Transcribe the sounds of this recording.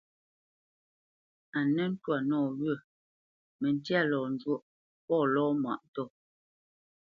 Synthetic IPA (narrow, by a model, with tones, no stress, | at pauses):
a˨nɛ˦n̩˦twa˨nɔː˦˨ɣə˦˨ | mɛ˨n˦tja˦˨lɔː˨n˨d͡ʒwo˦ʔ | pɔː˦˨lɔː˦mwa̰˨ʔn˦tɔ˦˨